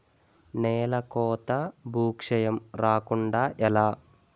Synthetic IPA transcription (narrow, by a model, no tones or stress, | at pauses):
nɛːlɐkɔːt̪ɐbʱuːkʂɐjɐmɾaːkuɳɖaːʔɛlaː